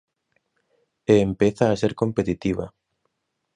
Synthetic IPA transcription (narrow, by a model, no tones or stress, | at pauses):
eːmpeθaːseɾkompet̪it̪iβa̰